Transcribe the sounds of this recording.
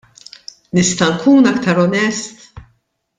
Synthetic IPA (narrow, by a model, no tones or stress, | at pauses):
nɪst̪ɐŋkʰuːnɐkt̪ɐɾɔnɛst̪